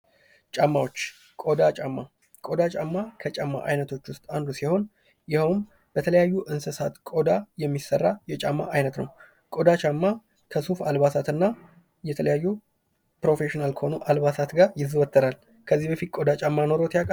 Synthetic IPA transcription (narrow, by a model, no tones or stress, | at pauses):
t͡ʃʼamːawo̞t͡ʃː | kʼo̞d̪at͡ʃʼamːa | kʼo̞d̪at͡ʃʼamːakʰət͡ʃʼamːa̰ʔa̰jnət̪ʰo̞t͡ʃːwʊst̪ʼand̪usiho̞n | jɪhəwm | b̥ət̪ʰələjajːuʔɨnsɨsat̪kʼo̞d̪ajɛmːisərːajɛt͡ʃʼamːa̰ʔajnət̪nəw | kʼo̞d̪at͡ʃʼamːa | kʰəsufalβasat̪ɨnːa | jɛt̪ʰələjajːu | pɾo̞fe̞ʃinalkʰəho̞nuʔalβasat̪ɡaɾjɪzːɨwɔt̪ʼːəɾal | kʰəzːihbəfit̪̚kʼo̞d̪at͡ʃʼamːano̞ɾot̪jakʼ